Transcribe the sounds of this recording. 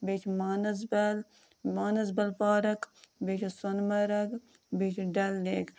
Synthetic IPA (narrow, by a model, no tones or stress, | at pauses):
bet͡ʃʰmaːnɐsbɐl | maːnɐzbɐlpaːɾɐkbet͡ʃʰisonmɐɾɐk | bet͡ʃʰɖɐlneːk